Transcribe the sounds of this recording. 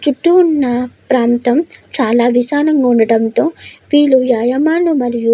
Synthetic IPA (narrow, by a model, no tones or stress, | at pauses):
t͡ʃuʈːuːnːɐpɾaːnt̪ɐmt͡ʃaːlaːʋisaːnɐŋɡaːuɳɖɐɽɐnt̪o̞ːʋiːlːujaːjɐmaːlumɐɾiju